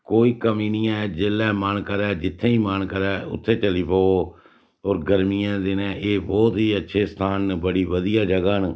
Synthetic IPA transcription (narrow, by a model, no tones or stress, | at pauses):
koːiːkəmiːnɪjãːd͡ʒeːlːɛːmənkəɾɛːd͡ʒɪt̪ʰːẽːĩːmankəɾɛːʊ̰t̪ʰːeːt͡ʃəliːpoːoː | oːɾɡəɾmijãːd̪ɪnɛ̃ːʔeːbɔːt̪ɦiːətːʃʰeːst̪ʰaːnbəɽiːʋəd̪ijaːd͡ʒəɡaːn